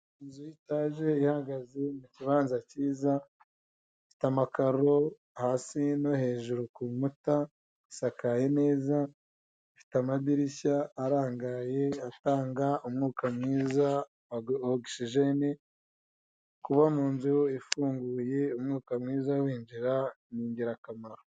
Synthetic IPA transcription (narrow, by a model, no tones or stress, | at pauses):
inzujitaːʒe̞ihaɡazemuciβaːnzaciːza | fi̥tamakaɾo̞ | haːsino̞he̞ːʒuɾokumuta | isakaje̞ne̞ːza | fi̥tamadiɾiçaːɾaːŋɡaje̞ataːŋɡaʔumŋuːkamŋiːza | oɡʃiʒeni | kuβamuːnzuifuːŋɡuːje̞umŋuːkamŋiːzawiːɲd͡ʒiɾa | niːɲɟiɾakamaɾo